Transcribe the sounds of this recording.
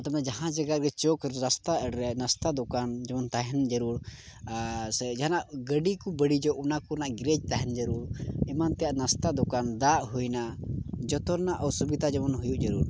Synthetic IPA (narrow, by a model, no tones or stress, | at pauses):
t̪amnad͡ʒaɦãd͡ʒaɡaɡɛt͡ʃɔkɾɾast̪aʔəɽɾɛnast̪ad̪ɔkand͡ʒɔmɔnt̪aɦɛnd͡ʒəɾuɾ | sd͡ʒaɦanaʔɡəɖikubəɽid͡ʒɔʔunakunaʔɡɾɛd͡ʒt̪aɦɛnd͡ʒəɾuɾimant̪ɛjaʔnast̪ad̪ɔkand̪aʔɦujnad͡ʒɔt̪ɔɾnaʔawsubid̪ad͡ʒɛmɔnɦujuʔd͡ʒəɾuɾ